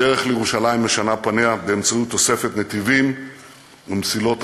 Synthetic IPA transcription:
eʁeχlejeʁuʃalaimeʃanapaneabeːmt͡sajut̪ːo̞se̞fe̞t̪net̪ivim | umt͡silo̞t̪

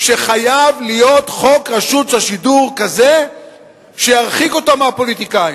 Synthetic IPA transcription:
ʃe̞χajavlijo̞t̪χo̞kʁaʃut͡saʃiduʁkaze | ʃejaʁχiko̞t̪amapo̞lit̪ikai

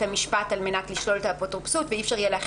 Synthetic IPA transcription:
amiʃpatalme̞natliʃlo̞letapotʁupsutveifʃaʁjeleːχ

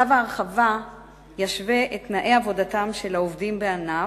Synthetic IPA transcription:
avaːʁχava | jaʃveʔetnaʔeavo̞datamʃe̞laovdimbeana

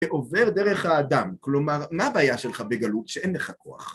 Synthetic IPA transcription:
eʔo̞ve̞ʁd̪eʁeχhaːd̪amklo̞maʁmaːbaːjaʃelχabeɡalutʃeʔenleχako̞a̰χ

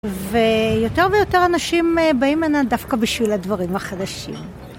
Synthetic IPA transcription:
vejo̞te̞ʁvejo̞teʁanaʃimbaimanadafkabiʃviladvaʁimhaχadaʃḭm

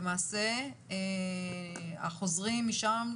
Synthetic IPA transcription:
maːse | a̰χo̞zʁimːiʃam

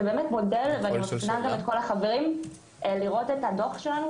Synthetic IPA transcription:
beːmetmo̞de̞lveanimatnaɡamet̚ko̞laχave̞ʁim | liʁo̞tetado̞χʃelanu

